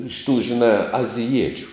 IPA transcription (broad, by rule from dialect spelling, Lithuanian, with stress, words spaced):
ɪʃ tuː ʒʲɪˈnɑː ɐzʲɪˈjiɛt͡ʃʲʊ